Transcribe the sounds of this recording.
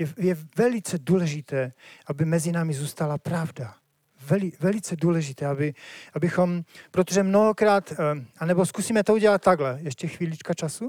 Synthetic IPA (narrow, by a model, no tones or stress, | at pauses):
jɛjɛvɛlɪt͡sɛduːlɛʒɪt̪ɛːʔabɪmɛzɪnaːmɪzuːst̪alapɾavda | vɛlɪvɛlɪt͡sɛduːlɛʒɪt̪ɛːabɪʔabɪxompɾot̪oʒɛmnoɦokɾaːt̪anɛboskusiːmɛt̪ouɟɛlat̪̚tːaɡlɛjɛʃcɛxviːlit͡ʃkat͡ʃasu